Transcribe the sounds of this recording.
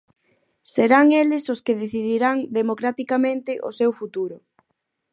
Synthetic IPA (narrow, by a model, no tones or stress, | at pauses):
seɾaŋelɪsoskeðeθiðiɾaŋd̪emokɾat̪ikamẽnt̪ɪʔosewfut̪uɾʊ